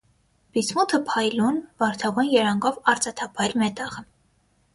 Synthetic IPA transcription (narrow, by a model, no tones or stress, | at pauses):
bit͡sʰmut̪ʰəpʰɑjlunvɑɾt̪ʰɑvunjɛɾɑŋɡɔvɑɾt͡sɑt̪ʰɑpʰɑjɾmɛt̪ɑʁə